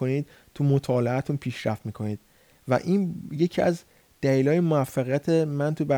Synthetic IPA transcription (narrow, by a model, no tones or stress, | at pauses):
oniːd̪̥̚ | t̪ʰumot̪ʰɒːleæt̪ʰunpʰiːʃɾæft̪miːkʰo̞niːd̪̥ | væ̰ʔiːnje̞cʰiæz | d̪̥æliːlɒːjemoæfːæɣijæt̪ʰemænt̪ʰubæ